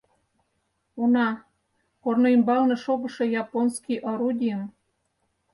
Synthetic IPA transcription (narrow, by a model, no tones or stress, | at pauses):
unɑ | kornoimbɑlnɤ̆ʃobɤ̆ʃɤ̆jɑponskijʔoɾud̪ʲim